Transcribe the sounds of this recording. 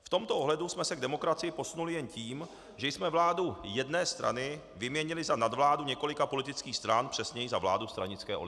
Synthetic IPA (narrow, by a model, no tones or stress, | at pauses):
ft̪o̞mt̪oʔoɦlɛdusmɛsɛɡ̚dɛmo̞kɾat͡sɪjɪpo̞sunulɪjɛnciːm | ʒɛjsmɛvlaːdujɛdnɛːst̪ɾʔa̰nɪ | vɪmɲɛɲɪlɪzanadvlaːduɲɛko̞lɪkapo̞lɪt̪ɪt͡skiːxst̪ɾanpr̝̥ɛsɲɛjizavla̰ːdust̪ɾa̰ɲɪt͡skɛ̰ːʔo̰ɪ